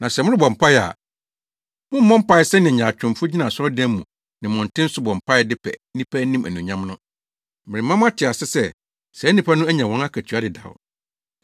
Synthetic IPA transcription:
nã˨sɛ˨mʊ̃˦ɾɪ˦bɔ˨m̩˨pʰa˦jɛ˨a̰˨ | mʊ̃˦m̩ː˦ɔ̃˦m̩˦pa˦ɪ˦sɛ˦nɪ̃˨ɲã˨t͡ɕᶣʊ̃˨m˨fʊ˦d͡ʑi˦nã˨sʊ˦ɔ˦dɛ̃˦m˦mũ˨ | nɪ̃˨mʊ̃˨n̩˨tʰɪ̃˦n̩˦sʊ˦bɔ̃˨m̩˨pʰa˦ɛ˦dɪ˦pʰɛ̰˨˦nĩ˦pʰæ˦nĩ˦mæ̰˨nũ˨ɲã˦m˦nʊ̃˦ | mɪ̃˨ɪ˨mã˦m˦a˦tʰɪ˨a˨sɪ˦sɛ˦ | sɛ˨˦nĩ˦pʰa˦nʊ̃˦æ˦ɲã˨wɔ̃˦na˦kʰæ˨tʰu˨a˦dɪ˨da̰˨wʊ̰˨

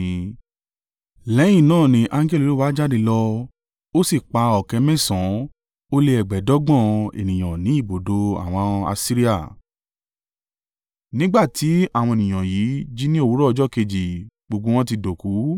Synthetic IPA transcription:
lɛ˨˦j̃ĩ˦˨nãː˦˨nĩ˧˦ʔa˧ŋ˦ɡɛ˦lo˨lo˦wa˨˦d͡ʒa˦di˧lɔ˧ | o˦si˦˨k͡pa˧ɔ˨kɛ˨˧mɛ̃˦˨sã˨˦ | o˦le˧ɛ˨ɡ͡bɛ˨˦dɔ˨˦ɡ͡bɔ̃˦ḛ˨nĩ˨j̃ã˨nĩ˨˦i˦˨bo˨do˧a̰˨w̃ɔ̃˧a̰˧si˦ɾi˦a˦˨ | nĩ˦ɡ͡ba˦˨ti˨˦a˦˨w̃ɔ̃˧e˨nĩ˨j̃ã˨ji˨˦d͡ʒi˦nĩ˦o˦˨wu˨˦ɾɔ˦ɔ˧d͡ʒɔ˦˨ke˧d͡ʒi˨ | ɡ͡bo˧ɡ͡bo˧w̃ɔ̃˦t̬i˧do˨ku˨˦

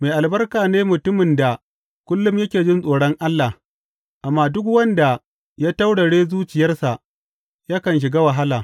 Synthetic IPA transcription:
meː˨jʔa˨lbɐ˦rkaː˨neː˦mʊ˨tʊ˦mɪ˨nda˨ | kʷʊ˦lːʊ˦mjɐ˦kʲeː˨d͡ʒɪ˦nsʼoː˨ɽɔ˦ŋʔa˦lːa˨h | ʔa˨mːaː˦˨dʊ˦k̬wɐ˦nda˨ | jaː˦ta˦wɽɐ˨ɽeː˦zuː˦t͡ʃɪ˨jɐ˦rsa˨ʔ | ja˦kɐ˨nʃ̬ɪ˨ɡaː˦wɐ˨ɦa˦laː˨

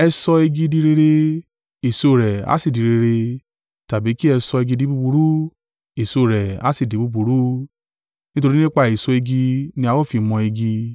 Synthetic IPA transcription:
ɛ˧sɔ˧e˧ɡi˧di˧ɾe˧ɾe˧ | e˨so˧˨ɾɛ˨a̰˨˦si˦˨di˨ɾe˧ɾe˧ | ta˨bi˨˦ki˦ɛ˧sɔ˧e˧ɡi˧di˨˦bu˦bu˧ɾu˦ | e˨so˧˨ɾɛ˨a̰˨˦si˦˨di˨˦bu˦bu˨ɾu˦ | nĩ˦to˧ɾi˦nĩ˦k͡pa˧˨e˨sɔ˧e˧ɡi˧nĩ˧a˧wɔ˦˨fi˧mɔ̃˧e˧ɡi˧

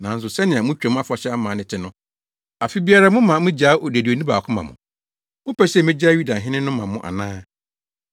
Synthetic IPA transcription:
nã˨n̩˦s̬ʊ˨sɛ˦nɪ̃˨ã˨mʊ̃˦t͡ɕᶣɛ˨m̃˦a˦fa˨ɕɛ˦a˦mã˨nɪ̃˨tʰɪ˨˦nʊ̃˦ | a˨fi˦bi˦a˦ɾa˦mʊ̃˦mã˨˦mʊ̃˦d͡ʑa˨˦o˨dæ˨di˨o˨nĩ˦ba˨kʰʊ̃˦mã̰˨mʊ̰̃˨ | mʊ̃˦pʰɛ˦ɕɛ˦˨mɪ̃˦d͡ʑa˦ɥu˦da˨ɦɪ̃˦nɪ̃˦nʊ̃˦mã˨mʊ̃˦˨ʔa̰˨nãː˦

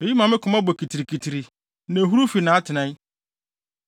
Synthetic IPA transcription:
e˨ji˦mã˨mɪ̃˦kʰʊ˨mã˦bɔ˨kʰi˨tʰi˨ɾi˨kʰi˨tʰi˨ɾi˨ | nẽ˨ɦu˦ɾu˦fi˨nã˨a˦tʰɪ˨nã˦j

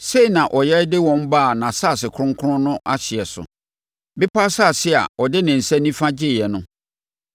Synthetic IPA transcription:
se˦i˨nã˨ʔɔ˨jɛ˦ɾdɪ˦wɔ̃˦m˦baː˦˨nã˨saː˦˨sɪ˨kʰʊ˦ɾʊ̃˦ŋ˦kʰʊ˦ʊ̃˦nʊ̃˦ʔa˦ɕɪ˨ɛ˨sʊ̰˨ | bɪ˦pʰa˦sa˦˨sɪ˦a̰˨ɔ˨dɪ˦nɪ̃˨n̩˨sɛ˦nĩ˦fã˦d͡ʑɪ˦˨jɛ˨nʊ̃˦

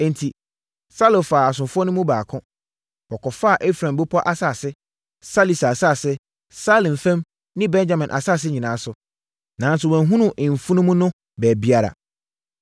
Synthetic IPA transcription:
ɛ̃˨n̩˨tʰi˨ | sa˦lo˨faː˨a˨s̬ʊ̃˨fʊ˦ɔ˦nʊ̃˦mũ˦baː˨kʰʊ̃˦ | wɔ˨kʰɔ˨fa˦a˨ʔe˦fɾã˨mbo˦pʰɔ˦ʔa˦sa˦˨sɪ˦ | sa˦li˨sa˨sa˦˨sɪ˦ | sa˦lɪ̃˨n˨fɛ̃˦m | nɪ̃˦bɛ̃˦nd͡ʑa˦˨mɪ̃˨nʔa̰˨sa˦˨s̬ɪ˦ɲĩ˨nãː˨˦sʊ˨ | nã˨n˦sʊ˨wɛ̃˨n˦ɦũ˦nʊ̃˦ʔɪ̃˨m̩˨fu˦nʊ̃˦mũ˦nʊ̃˦ | bɛ˨bi˦a˦ɾa̰˨

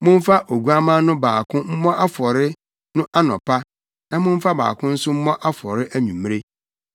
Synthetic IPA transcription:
mʊ̃˦ɱ̩˦fa˦ʔo˨ɡu˦a˦mã˦nʊ̃˦baː˨kʰʊ̃˦m̩˦mɔ̃˦ʔa˦fɔ˨ɾɪ˦ | nʊ̃˦ʔa˦nɔ̰̃˨pʰa˦ | nã˦mʊ̃˦m̩˦fa˦ba̰ː˨kʰʊ̃˦n̩˦sʊ˦m̩˦mɔ̃˦ʔa˦fɔ˨ɾɪ˦ʔæ˦ɲũ˨m˦e˦

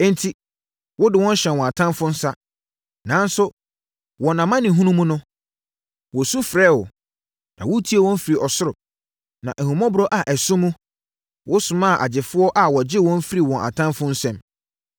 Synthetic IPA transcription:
ɛ˦n˦tʰi˦ | wʊ˦dɪ˨wɔ̃˦n̩˦ɕɛ̃˨nwɔ̃˨a˨tʰã˦mfʊ̃˦n̩˦sa˦ | nã˨˦n˦sʊ˦ | wɔ̃˨nã˨mã˦nɪ̃˨ɦũ˦nũ˦mũ˦nʊ̃˦ | wɔ˨sũ˦fɾɛː˦˨wʊ˨ | nã̰˨wʊ˦tʰi˦e˨wɔ̃˦n˦fi˨ɾi˨ʔɔ˨sʊ˦ɾʊ˨ | nã˨ʔæ˨hũ˨mɔ̃˦bʊ˦ɾɔ˦ʔa˨ʔɛ˨sʊ̃˦mũ˦ | wʔʊ˦sʊ̃˨mã˦˨ʔa̰˨d͡ʑɪ˨fʊ˦ɔ˦ʔa˨wɔ˨d͡ʑɪ˦wɔ̃˦n˦fi˦ɾi˨wɔ̃˨nʔa̰˨tʰã˦mfʊ̃˦n̩˦sɛ̃˦˨m

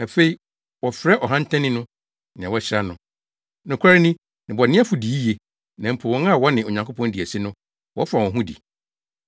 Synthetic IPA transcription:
æ˨fe˦i˨ | wɔ˨fɾɛ˦ʔɔ˨ɦã˦n˦tʰɛ̃˦nɪ̃˦nʊ̃˦ | nɪ̃˨ɛ̃˨wɔ˦ɕɪ˦ɾa˦nʊ̃˨ | nʊ̃˨kʷʰa˦ɾɪ˦nɪ̃˦ | nɪ̃˨bɔ˨nɪ̃˦æ˦fu˨di˨˦i˦je˨ | nã˨m̩˨pʰʊ˨wɔ̃˦a˦˨wɔ˦nɪ̃˨o˨ɲã˨ŋkʰo˦pʰɔ̃˦n˦di˨æ˨si˦nʊ̃˦ | wɔ̰˦fa˨wɔ̃˨ɦũ˦dḭ˨

